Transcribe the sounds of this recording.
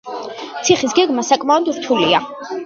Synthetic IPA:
t̪sʰiχisɡɛɡmasakʼmaɔd̪ɾt̪ʰulia

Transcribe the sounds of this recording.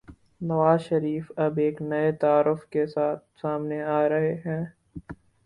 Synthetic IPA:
nɐʋaːzʃɐɾiːfɐbeːknɐet̪aaːɾʊfkesaːt̪̚ʰsaːmneaːɾɐɦeɦɛ̃ː

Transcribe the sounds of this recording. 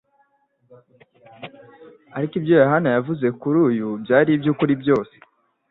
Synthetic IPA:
aɾikibjojaɦanajavuze̞kuɾuːjubjaːɾibjukuɾibjo̞ːse̥

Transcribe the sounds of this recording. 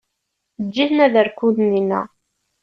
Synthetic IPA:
əːiθnæðəɾkud̪ninæ̰

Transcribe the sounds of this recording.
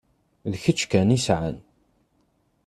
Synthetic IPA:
lçət͡ʃːkænisʕə̰n

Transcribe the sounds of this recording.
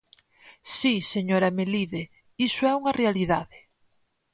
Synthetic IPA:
siseɲoɾɐmeliðe | isoɛuŋɐrealiðaðɪ

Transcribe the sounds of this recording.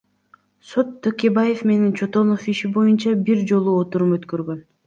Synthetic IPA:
so̞t̪ʰːøkʲe̞baje̞fme̞nint͡ʃʰo̞t̪o̞nofiʃibo̞junt͡ʃɑbiɾd͡ʒo̞lˠuot̪uɾumøt̪køɾɡø̞n

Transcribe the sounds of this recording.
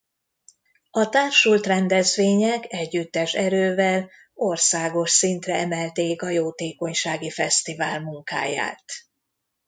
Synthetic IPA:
ɒt̪aːrʃult̪rɛnd̪ɛzʋeːɲɛkɛɟːyt̪ːɛʃɛɾøːvɛl | o̞rsaːɡo̞ʃsint̪rɛɛmɛlt̪eːkɒjoːt̪eːko̞ɲʃaːɡifɛst̪ivaːlmuŋka̰ːja̰ːt̪

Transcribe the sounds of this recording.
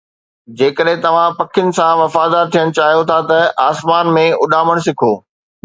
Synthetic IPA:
d͡ʑeːkəɗɦɪ̃t̪ɐʋ̤ãpɐkʰɪʊnɪ̆sãʋɐfaːd̪aːɾt̪ʰijəɽ̃̆t͡ɕaːɦijot̪ʰat̪ɐʔaːsmaːnmẽʊɗaːməɽ̃s̬ɪkʰoː

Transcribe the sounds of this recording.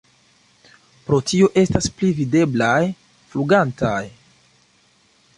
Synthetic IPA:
pɾo̞tio̞ʔe̞stasplivide̞blaj | fluɡantaj

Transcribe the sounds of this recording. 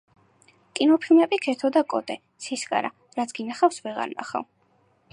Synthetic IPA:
kʼinɔpʰilˠmɛbikʰɛt̪ʰɔd̪akʼɔt̪ʼɛ | t̪sʰiskʼa̰ɾa | ɾat̪sʰɡ̥inaχafsvɛʁa̰ɾna̰χa̰v

